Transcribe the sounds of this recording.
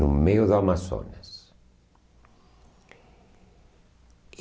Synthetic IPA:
numejʊðamaso̰nas

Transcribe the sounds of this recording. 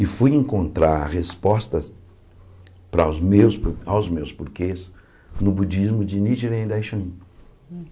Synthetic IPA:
ɪfujẽkõnt̪ɾaɾhespɔst̪ɐ | pɾawzmewspawzmewspuɾkes | nʊbud͡ʒizmʊd͡ʒɪnid͡ʒiɾẽd̪ajʃɐ̃nĩ

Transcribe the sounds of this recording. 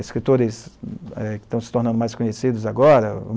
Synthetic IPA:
ɪskɾit̪oɾɪsɛkɪ̥t̪ɐ̃w̃sɪ̥t̪oɾnɐ̃d̪ʊmajskõɲesid̪ʊzaɡɔɾɐ̰

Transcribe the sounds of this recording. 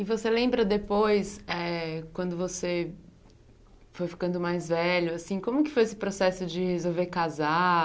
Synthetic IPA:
ɪvoselẽmbɾɐd̪epojsɛkwɐ̃nd̪ʊvose | fojfi̥kɐ̃nd̪ʊmajzvɛʎʊasĩkõmʊkɪ̥fojesɪ̥pɾosɛsʊd͡ʒɪhezowveɾkaza

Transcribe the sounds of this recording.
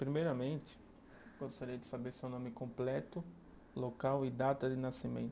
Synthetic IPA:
pɾimejɾɐmẽnt͡ʃ̪ɪ̥ | ɡost̪aɾijɐd̪ɪsabeɾsewnõmɪkõmplɛt̪ʊ | lokawɪd̪at̪ɐd̪ɪnasimḛ̃nt̪ʊ

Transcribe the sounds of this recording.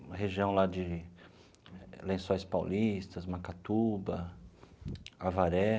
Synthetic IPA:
heʒiɐ̃w̃lad͡ʒɪ | lẽsõjspawlist̪ɐsmakat̪ubɐ | avaɾɛ

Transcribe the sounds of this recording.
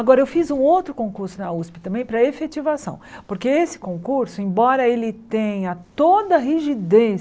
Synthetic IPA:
aɡɔɾɐewfizũowt̪ɾʊkõkuɾsʊnɐuspɪt̪ɐ̃mbẽj̃pɾɐefet͡ʃivasɐ̰̃w̃poɾkeesɪ̥kõkuɾsʊẽbɔɾɐelɪt̪ẽj̃ɐt̪od̪ɐɦiʒid̪e

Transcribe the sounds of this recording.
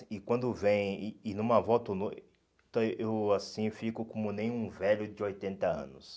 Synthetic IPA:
ɪkwɐ̃nd̪ʊvẽj̃ːnũmɐvɔt̪ono | t̪oʔewasĩfikʊkõmʊnẽj̃ũvɛʎʊd͡ʒɪojt̪ẽnt̪ɐɐ̰̃nʊs

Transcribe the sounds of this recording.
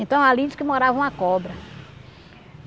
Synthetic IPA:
ẽnt̪ɐ̃w̃aliɪskɪmoɾavɐ̃w̃akɔbɾɐ

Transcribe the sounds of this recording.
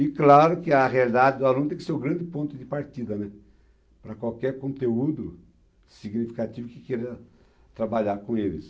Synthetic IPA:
ɪklaɾʊkɪɐɦealid̪ad͡ʒɪd̪ʊalũnʊt̪ẽkɪseɾʊɡɾɐ̃nd̪ɪpõnt̪ʊd̪ɪpaɾt̪id̪ɐnɛ | pɾɐkwawkɛɾkõnt̪eud̪ʊ | siɡnifi̥kat͡ʃ̪ivʊkɪ̥kɛɾɐ | t̪ɾabaʎaɾkõelɪs

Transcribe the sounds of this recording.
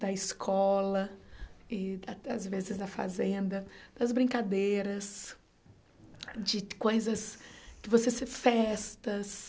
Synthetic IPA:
d̪̥ɐɪskʰɔlɐ | ɪɐazvezɪzd̪ɐfa̰zẽnd̪ɐd̪̥ɐzbɾĩŋkad̪eɾɐs | d͡ʒɪkojzɐskɪvosesɪfɛst̪ɐs

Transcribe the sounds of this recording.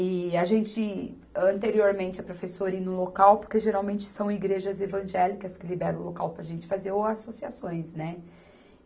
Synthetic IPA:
ɪaʒẽnt͡ʃɪ | ɐ̃nt̪eɾioɾmẽnt͡ʃɪɛpɾofesoɾĩnʊlokawpoɾkeʒeɾawmẽnt͡ʃɪ̥sɐ̃w̃iɡɾeʒɐzevɐ̃ʒɛlikɐskɪlibɛɾɐ̃w̃ʊlokawpɾɐʒẽnt͡ʃɪ̥fazeɾoasosiasõj̃snɛ

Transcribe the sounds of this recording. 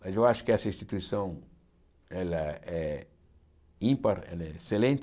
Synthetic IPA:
mɐzewaʃʊ̥kɪɛsɐĩst̪it̪uisɐ̃w̃ | ɛlɐɛ | ĩmpɐɾḛ̃neselẽnt̪

